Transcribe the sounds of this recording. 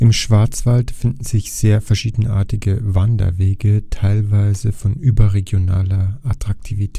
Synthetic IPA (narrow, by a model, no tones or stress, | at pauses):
ʔɪmʃv̥aɐt͡sv̥altfɪndn̩z̥ɪçz̥eːɐfɛɐʃiːdn̩ʔa̰ːɐtɪɡəvandɐ̰veːɡətʰaɪlvaɪzəfɔnʔyːbɐʁeɡjonaːlɐʔatʁ̥ak̚tʰiːvitʰɛ